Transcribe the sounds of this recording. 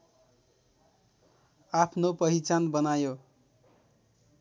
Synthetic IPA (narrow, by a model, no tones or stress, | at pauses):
apʰnopʌɦit͡sanbʌnajo